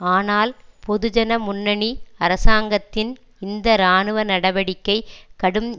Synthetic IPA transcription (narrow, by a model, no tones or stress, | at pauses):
aːnaːlpɔðɯd͡ʒɐnɐmʊnːɐɳiɐɾɐsaːŋɡɐt̪ːɪn | ɪnd̪ɐɾaːnɯʋɐnɐɽɐʋɐɽɪkːɐɪkɐɽɯm